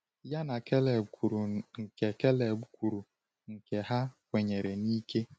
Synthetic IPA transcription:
ja˦na˨ke˦le˨ku˨ɾu˨ŋ̩˨ke˨ke˦le˨ɡʷu˦kʷu˨ɾu˨ | ŋ̩˨ke˨ɦa˦kʷe˨ɲe˨ɾe˨ni˦ke˦

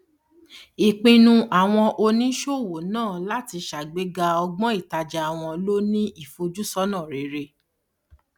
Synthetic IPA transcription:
i˨k͡pĩ˧nũ˧ʔa˨w̃ɔ̃˧ʔo˧nĩ˦ʃo˦˨wo˨nãː˦˨la˦ti˧ʃa˨ɡ͡be˨˦ɡa˧ɔ˧ɡ͡bɔ̃˦i˦˨ta˧d͡ʒa˧a˨w̃ɔ̃˧lo˦nĩ˦i˦˨fo˧d͡ʒu˦sɔ˦nã˦˨ɾe˨˦ɾe˧

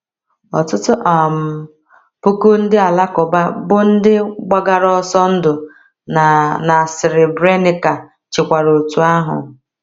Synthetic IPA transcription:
ɔ̰˨tʊ˦tʊ˦ʔa˨m̩˨ | po˦ko˦n̩˦dɪ˦a˨la˦kʊ˨ba˦bʊ˦n̩˦dɪ˦ɡ͡ba˦ɡa˨ɾɔ˦sɔ˦n̩˦dʊ˨ | n˨na˨sɪ˨ɾɪ˨bɾe˦nɪ˨ka˨ | t͡ʃɪ˨kʷa˨ɾo˨tu˨a˦ɦʊ̰˨

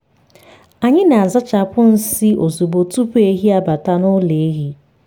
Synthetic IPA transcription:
a˨ɲɪ˦na˨a˨za˦t͡ʃa˨pʊ˦n̩˦si˦ʔo˨zu˨bo˨tu˦pe˦ɦi˦a˦ba˨ta˦nʊ˦le˨e˦ɣi˨˦

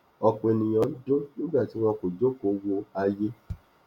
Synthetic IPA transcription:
ɔ˧k͡pe˨˧nĩ˨j̃ɔ̃˨˦n̩˦dõ˦nĩ˦ɡ͡ba˦˨ti˨˦w̃ɔ̃˧ko˨d͡ʒo˦ko˨˦wo˧a˧je˦

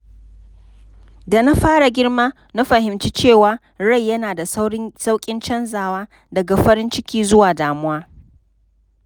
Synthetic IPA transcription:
da˨na˦ɸaː˦ɽa˨ɡʲɪ˦ɽmaː˦ | na˦ɸɐ˨hɪ˨mt͡ʃi˦t͡ʃeː˦˨waː˨ | ɽa˦˨jːɐ˦naː˨da˨˦sa˦wkʲʼɪ˦nt͡ʃɐ˦nzaː˨waː˦ | dɐ˨ɡa˨ɸɐ˦ɾɪ˦nt͡ʃɪ˦kʲiː˦zʊ˦waː˨daː˨mʊ˦waː˦

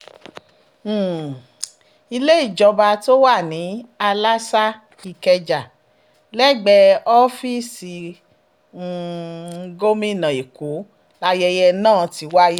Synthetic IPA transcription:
i˧le˦i˦˨d͡ʒɔ˧ba˧to˦wa˦˨nĩ˨˦a˧la˦sa˦ | i˧kɛ˧d͡ʒa˨ | lɛ˦˨ɡ͡bɛ˧ɔ˦fi˦si˧˦˧ | ɡo˦mĩ˦˨nã˨i˨ku˨˦ | la˧jɛ˧jɛ˧nãː˦˨ti˨˧˦wa˦ji˦

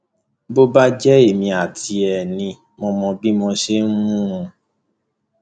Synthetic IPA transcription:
bo˦ba˦d͡ʒɛ˦e˦˨mĩ˧a˨tʰi˧ɛ˨nĩ˧ | mɔ̃˧mɔ̃˧bi˦mɔ̃˧ʃe˦n̩˦mũ˦ũ˧

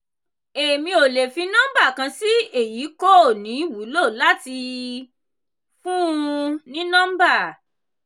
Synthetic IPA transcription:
e˨mĩ˧o˨le˨fi˧nã˦m˦ba˦˨kã˧si˦e˦˨ji˨˦ko˦o˦˨nĩ˨˦wu˨˦lo˦˨la˦ti˧ | fũ˦nĩ˦nã˦m˦ba˦˨

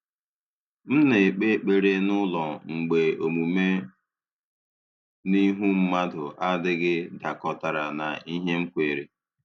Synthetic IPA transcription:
m̩˦ne˨k͡pe˦k͡pe˨ɾe˦nʊ˦lɔ˨ŋ͡m̩˨ɡ͡be˨o˨mu˨me˦ | ni˦ɦu˦m̩˦ma˦dʊ˨ʔa˦dɪ˦ɡɪ˦da˨kɔ˨ta˨ɾa˨na˨i˦ɦe˦ŋ͡m̩˦kʷe˨ɾe˨

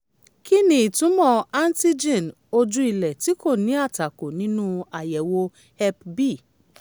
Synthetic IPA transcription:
ki˦nĩ˧i˨tũ˨˦mɔ̃˧a˦n˦ti˦d͡ʒĩ˦˨n | o˧d͡ʒu˦i˧lɛ˨ti˨˦ko˦˨nĩ˨˦a˦˨ta˨ko˨nĩ˨˦nũ˦a˨jɛ˨wo˧ | hɛ˧pbi˦˨

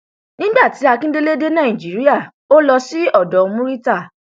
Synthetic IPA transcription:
nĩ˦ɡ͡ba˦˨ti˨˦a˧kĩ˦de˦le˦de˦nã˦˨ĩ˨d͡ʒi˨˦ɾi˦a˦˨ | o˦lɔ˧si˦ɔ˦˨dɔ˨˧mũ˦ɾi˦ta˦˨

